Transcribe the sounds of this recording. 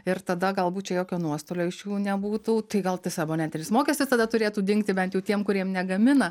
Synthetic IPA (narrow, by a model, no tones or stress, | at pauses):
ɪɾt̪ɐd̪ɐɡɐlˠbuːt̪t͡ʃʲɛjoːkʲoːnuɔst̪oːlʲoːɪʃjuːnʲɛbuːt̪uːt̪ɐɪɡɐlˠt̪ʲɪsɐboːnʲɛnʲt̪ʲɪnʲɪsmoːkʲɛːsʲt̪ʲɪst̪ɐd̪ɐt̪ʊɾʲeːt̪uːd̪ʲɪŋk̚t̪ʲɪbʲɛnt̪jɛʊt̪ʲiɛmkʊɾʲiɛmnʲɛɡɐmʲɪnɐ